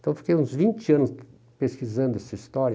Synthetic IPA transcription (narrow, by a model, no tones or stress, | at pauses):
t̪ɐ̃w̃fi̥kejũzvĩnt͡ʃɪɐ̃nʊs | peskizɐ̃nd̪ʊɛsɐist̪ɔɾjɐ